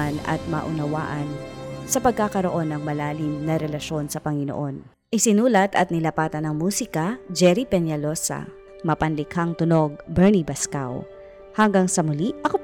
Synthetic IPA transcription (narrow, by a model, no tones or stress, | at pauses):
anɐ̰t̪̚mɐ̰ʔʊnɐwa̰ːʔɐnsɐpɐɡ̚kakɐɾo̞ʔo̞nːɐŋmɐlaːlɪmnɐɾɛlɐʃo̞nsɐpɐŋɪno̰ʔo̞n | ʔɪsɪnuːlɐt̪ɐt̪̚nɪlɐpaːt̪ɐnɐŋmuːsɪkɐd͡ʒɛɾipɛnjɐlosɐ̰ | mɐpɐnlɪkhɐŋt̪ʊno̞ɡ̚bɛɹnibɐska̰w | hɐŋɡaŋsɐmʊliʔʔɐko